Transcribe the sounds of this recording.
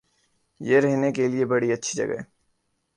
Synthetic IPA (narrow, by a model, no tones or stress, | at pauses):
jeɾɛɦnekeliebɐɽiɐtːʃʰi̥d͡ʒɐ̰ɡɛ̰